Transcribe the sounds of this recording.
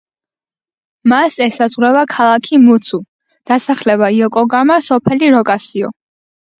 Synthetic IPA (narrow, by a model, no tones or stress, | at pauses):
masɛsazʁwɾɛvakʰalˠakʰimut̪sʰu | d̪̥asaχlɛbaiɔkʼɔɡamasɔpʰɛliɾɔkʼasiɔ̰